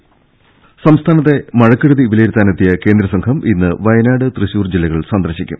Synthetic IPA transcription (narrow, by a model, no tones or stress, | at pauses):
sɐmst̪ʰaːnɐt̪ːe̞mɐɻɐkːiɽɐðiːʋilejɾut̪ːaːnet̪ːijɐke̞ːnd̪ɾɐsɐŋkʰɐmʔinːɨʋɐjɐnaːɽɨt̪riɕuːrd͡ʑilːɐɣɐɭsɐnd̪ɐrɕikʲːṵm